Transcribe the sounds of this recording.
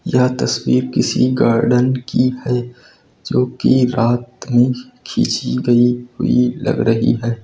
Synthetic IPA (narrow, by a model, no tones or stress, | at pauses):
jɐɦt̪ɐswiːɾkɪsḭɡaːɾɖənkihɛː | d͡ʒoːkiɾaːt̪mẽ | kʰḭːt͡ʃiɡɐiɦhʊ̰ilɐ̰ɡɾɐɦḭɦɛː